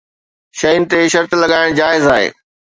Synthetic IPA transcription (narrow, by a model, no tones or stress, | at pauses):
ʃɐjʊnɪ̆t̪eʃɐɾt̪lɐɠaːɪɽ̃d͡ʑaːɪzaːɦḛː